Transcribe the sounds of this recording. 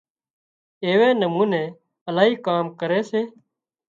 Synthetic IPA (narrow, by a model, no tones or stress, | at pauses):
eːʋeːnəmuːneː | əlaːɦiːkaːmkəɾeːseː